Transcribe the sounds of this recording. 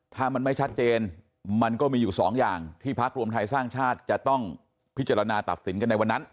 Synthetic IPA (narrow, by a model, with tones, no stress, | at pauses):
t̪ʰaː˥˩ma˧nma˥˩jt͡ɕʰa˦˥t̪̚t͡ɕeː˧n | ma˧nkɔː˥˩miː˧juː˨˩sɔ̰ː˩˦ŋjaː˨˩ŋt̪ʰiː˥˩pʰa˦˥k̚ɾu˧mt̪ʰa˧jsaː˥˩ŋt͡ɕʰaː˥˩t̪̚t͡ɕa˨˩t̪ɔ˥˩ŋ | pʰi˦˥t̪̚t͡ɕa˧ɾa˧naː˧t̪a̰˨˩p̪̚si˩˦nka˧nːa˧jwa˧nːa˦˥n